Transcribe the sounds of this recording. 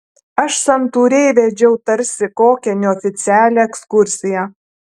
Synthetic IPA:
ɐʃsɐnt̪uːɾʲɛɪʋʲɛd͡ʒʲɛʊt̪ɐɾʲsʲɪkoːkʲɛnʲʊɔfʲɪt̪sʲɪæːlʲɛɛkskʊɾʲsʲɪjɛ

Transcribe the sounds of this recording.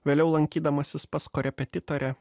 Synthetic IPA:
ʋʲeːlʲɛʊlˠɐŋʲkʲiːd̪ɐmɐsʲɪspɐskɔɾʲɛpʲɛt̪ʲɪt̪ɔɾʲɛ

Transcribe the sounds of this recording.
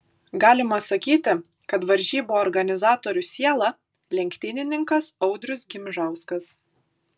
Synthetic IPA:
ɡɑːlʲɪmɐsɐkʲiːt̪ʲɪ | kɐt̪ʋɐɾʲʒʲiːboːɔɾɡɐnʲɪzɑːt̪oːɾʲʊsʲiɛlˠɑ | lʲɛŋʲkt̪ʲɪnʲɪnʲɪŋkɐsɒʊd̪ʲɾʲʊsɡʲɪmʲʒɑˑʊskɐs

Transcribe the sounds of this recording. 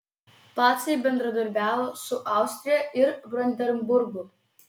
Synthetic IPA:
p̪ɑːt̪sʲebʲɛnd̪ɾɐd̪ɐɾʲbʲæːʋoːsʊʔɑˑʊsʲt̪ʲɾʲɪjɛʔɪɾʋɾɔnʲd̪ʲɛɾʲmbʊɾɡʊ

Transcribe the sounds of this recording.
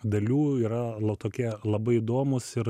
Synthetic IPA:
d̪ɐlʲuːiːɾɐlˠɐt̪oːkʲiɛlˠɐbɐɪɪd̪oːmʊsɪɾ

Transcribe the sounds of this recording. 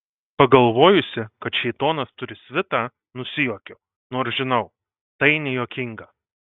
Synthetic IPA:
pɐɡɐlˠʋoːjʊsʲɪkɐt̪ʃʲɛɪt̪oːnɐst̪ʊɾʲɪsʲʋʲɪt̪ɑː | nʊsʲɪjoːkʲoː | noːɾsʒʲɪnɐʊ | t̪ɐɪnʲɛjoːkʲɪŋɡɐ

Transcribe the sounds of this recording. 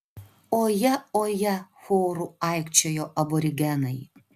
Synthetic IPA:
oːjɛoːjɛxʷoːɾuajkt͡ʃʲʰɛjoːʔɐbɔɾʲɪɡʲɛnɐj

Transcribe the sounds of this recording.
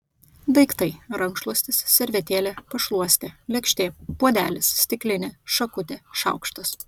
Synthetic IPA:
b̪ɐɪkt̪ɐɪɾɐŋkʃlˠuɔsʲt̪ʲɪssʲɛɾʲʋʲɛt̪ʲeːlʲeːpɐʃlˠuɔsʲt̪ʲeːlʲɛkʃʲt̪ʲeːpuɔd̪ʲæːlʲɪssʲt̪ʲɪklʲɪnʲeːʃɐkʊt̪ʲeːʃɐ̰ˑʊkʃt̪ɐs

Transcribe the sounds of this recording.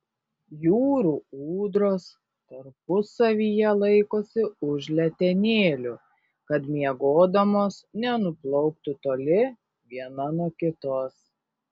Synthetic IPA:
juːɾuːuːd̪ɾoːs | t̪ɐɾpʊsɐʋʲijɛlˠɐɪkoːsʲɪʊʒʲlʲɛt̪ʲɛnʲeːlʲʊ | kɐt̪mʲiɛɡoːd̪ɐmoːsnʲɛnʊplˠɔʊk̚t̪ut̪oːlʲɪ | ʋʲiɛnɐnuɔkʲɪt̪oːs

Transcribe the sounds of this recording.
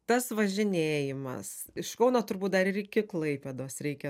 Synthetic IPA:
t̪ɐsʋɐʒʲɪnʲeːjɪmɐ̰sɪʃkɒʊnoːt̪ʊɾbuːt̪d̪ɐɾɪɾɪkʲɪklˠɐɪpʲeːd̪oːsɾʲɛɪkʲɛ

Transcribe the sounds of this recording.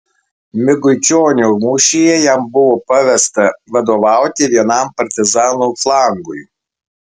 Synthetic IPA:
mʲɪɡʊɪt͡ʃʲoːnʲuːmuːʃʲijɛjæmbʊʋoːpɐʋʲɛst̪ɐʋɐd̪oːʋɑˑʊt̪ʲɪʋʲiɛnɐˑmpɐɾʲt̪ʲɪzɑːnuːflˠɑˑŋɡʊj

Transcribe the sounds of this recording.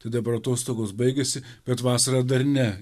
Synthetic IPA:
t̪ɐd̪ɐpɐɾɐt̪oːst̪oːɡoːsbɐɪɡʲɛsʲɪb̥ʲɛt̪ʋɑːsɐɾɑd̪ɐɾnʲɛ

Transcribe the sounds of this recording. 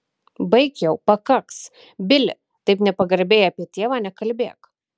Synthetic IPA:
bɐɪkʲjɛʊpɐkɐks | bʲɪlʲɪ̰ | t̪ɐɪpnʲɛpɐɡɐɾʲbʲeːjɐpʲiɛt̪ʲeɛʋɑːnʲɛkɐlʲbʲeːk

